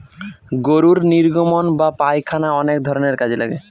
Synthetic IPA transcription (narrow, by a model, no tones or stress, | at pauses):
ɡoɾuɾniɾɡomonbapajkʰanaɔnek̚d̪ʱɔɾoneɾkad͡ʑʱela̰ɡḛ